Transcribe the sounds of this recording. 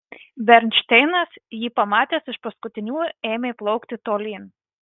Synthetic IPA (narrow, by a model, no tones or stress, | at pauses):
bʲɛɾʲnʲt͡ʃʲt̪ʲɛɪnɐsjiːpɐmɑːt̪ʲeːsɪʃpɐskʊt̪ʲɪnʲuːeːmʲeplˠɒʊkt̪ʲɪt̪oːlʲiːn